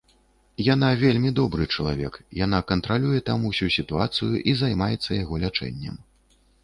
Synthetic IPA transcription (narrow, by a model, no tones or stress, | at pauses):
jan̪avʲelʲmʲid̪ɔbɾɨt͡ʂɐlˠa̰vʲɛkjanakɐnt̪ɾalʲujɛt̪amusʲusʲit̪uat̪sɨjuʔizajmajɛt̪sːɐjaɣɔlʲat͡ʂɛ̰nʲːɛ̰m